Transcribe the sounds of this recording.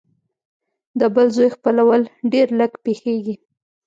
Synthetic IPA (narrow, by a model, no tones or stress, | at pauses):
d̪əbəlzojxpəlawəlɖeɾləɡpexeɡi